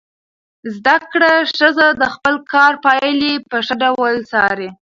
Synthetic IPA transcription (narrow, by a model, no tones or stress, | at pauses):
zd̪akɽaʂəzad̪əxpəlkʰɑɾpɑjlipəʂaɖawəlt͡sɑɾe